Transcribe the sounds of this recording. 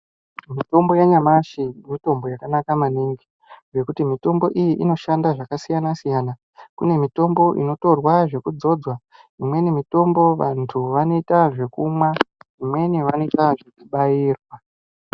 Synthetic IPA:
mito̞mbo̞jaɲamaʃimito̞mbo̞jakanakamaniŋɡi | ʐe̞kutimito̞mbo̞ʔijiʔino̞ʃandaʐakasijanasijaːna | kune̞mito̞mbo̞ʔḭno̞to̞rwaʐe̞kud͡zo̞d͡zwa | imwe̞nimito̞mbo̞ʋantʰuʋano̞itaʐe̞kumwaimwe̞niʋano̞itaʐekuɓaiːrwa

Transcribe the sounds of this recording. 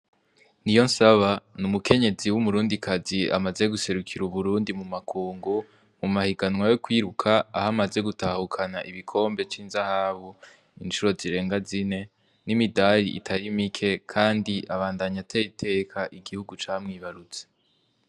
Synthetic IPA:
nijo̞nsaβanumuke̞ɲe̞ziwumuɾuːndikʰazia̰maze̞ɡuse̞ɾukʰiɾuβuɾuːndimumakuːŋɡu | mumahiɡanŋwajo̞kwiːɾukʰaːhamaze̞ɡutahukʰanaʔiβikʰo̞ːmbe̞t͡ʃiːnzahaβu | int͡ʃuɾo̞ziɾe̞ːŋɡazine̞ | nimidaɾiʔḭtʰaɾimikʰe̞kʰaːndiʔaβaːndaɲatʰeɾitʰe̞ːkʰaʔiɡihuɡut͡ʃaːmŋiːβaɾut͡se̥

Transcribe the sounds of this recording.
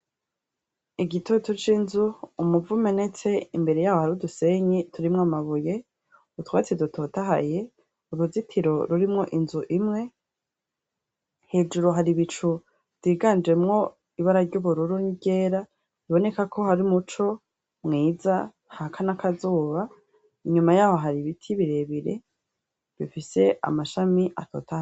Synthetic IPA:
iɡitʰotut͡ʃinzuːmuvume̞ne̞t͡se̞imbe̞ɾe̞jaːwohaɾuduse̞ɲitʰuɾimŋoamaβuje̞ | utwat͡sidutʰotaɦa̰je̞ | uɾuzitʰiɾo̞ɾuɾimŋo̞ʔinzuʔimŋe̞ | he̞ːd͡ʒuɾoɦaɾiβit͡ʃu | v̥diːɡand͡ʒe̞mŋo̞ | iβaɾaɾɟuβuɾuɾuɲiɟe̞ːɾa | iβo̞ne̞kakʰo̞haɾimut͡ʃo̞ | mŋiːza | hakʰanakʰazuːβa | iɲumajaːho̞ɦaɾiβitʰiβiɾe̞βiɾḛ | βifise̞ʔa̰maʃamiʔa̰tʰo̰tʰaha

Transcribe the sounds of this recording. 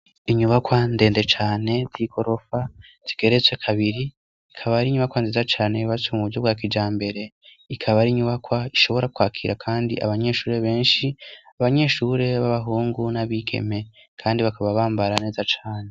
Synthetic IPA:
iɲuβakwande̞ːnde̞t͡ʃaːne̞ziko̞ɾo̞fa | z̥iɡ̥e̞ɾet͡swe̞kʰaβiɾi | ikʰaβaɾiɲuβakwanziːzat͡ʃaːne̞βat͡suomuuɾɟo̞bɡwaːk̬id͡ʒaːmbe̞ɾe̞ | ikʰaβaɾiɲuβakwaiʃo̞βo̞ɾakwaːkʰḭɾakʰaːndḭʔa̰βaɲe̞ːʃuːɾe̞βe̞ːnʃiaβaɲe̞ʃuːɾe̞βaβaɦuːŋɡunaβike̞̰me̞ | kʰaːndiβakaβaβaːmbaɾane̞ːzat͡ʃaːne

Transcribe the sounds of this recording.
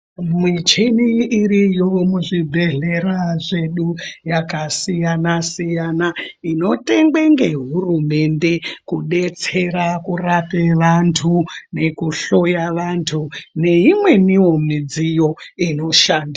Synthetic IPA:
mwit͡ʃeniːɾijomuʐibʱe̞ɮe̞ɾaʐe̞ɗujakasijanasijanaino̞te̞ŋɡeŋɡe̞ɦurume̞nde̞kuɗe̞t͡se̞ɾakurapeʋantʰune̞kuɬo̞jaʋantʰune̞imwe̞niwo̞mid͡zijo̞ino̞ʃandi

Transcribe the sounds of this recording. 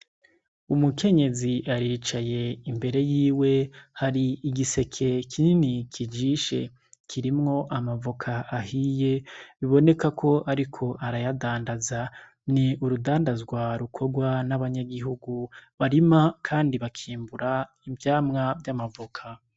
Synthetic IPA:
umuke̞ɲe̞ziʔaɾiːt͡ʃaje̞imbe̞ɾe̞jiːwe̞haɾiiɡise̞kʰe̞kʰininikʰid͡ʒiʃe̞̰ | kʰiɾimŋo̞ʔamavokʰaʔːhije̞βiβo̞ne̞kakʰo̞ʔaɾikʰo̞ʔaɾajadaːndaza | niuɾudaːndazɡwaɾukʰo̞ɡwanaβaɲaɡiɦuɡuβaɾimakʰaːndiβakʰiːmbuɾa | ibjaːmŋavjamavokʰa

